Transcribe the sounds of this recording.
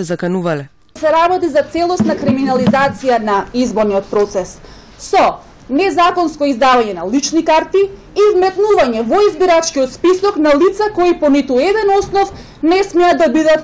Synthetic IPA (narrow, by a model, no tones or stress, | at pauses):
ɛzakanuvalɛ | sɛɾabɔt̪izat̪sɛlˠɔsnakɾiminalizat̪sijanaizboɾnijɔt̪̚pɾɔt̪sɛs | sɔ | nɛzakɔnskɔizd̪avaɲɛnalit͡ʃnikaɾt̪iː | vmɛt̪nuvaɲɛvɔizbiɾat͡ʃkiɔt̪spisɔknalit̪sakoipɔnit̪uɛd̪ɛnɔsnɔf | nɛsmɛad̪ːabid̪at̪